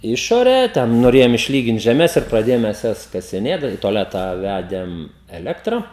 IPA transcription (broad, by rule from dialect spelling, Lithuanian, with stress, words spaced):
ˈɪʃoːrʲæː ˈtʲɛn noːˈrʲeːjoːm ɪʃʲˈlʲiːɡʲɪnt ʒʲɛˈmʲɛs ɪr prɐˈdʲeːjoːm ˈmʲɛs ˈjɛs kɐsʲɪˈnʲeːt dɐ ɪ toːˈlʲæːtɑː ˈʋʲædʲeːm ɛˈlʲæːktrɐ